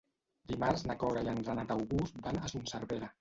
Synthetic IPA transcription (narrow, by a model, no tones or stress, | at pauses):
d̪imaɾznakɔɾaianɾanat̪awɣusbanəsunsəɾβeɾə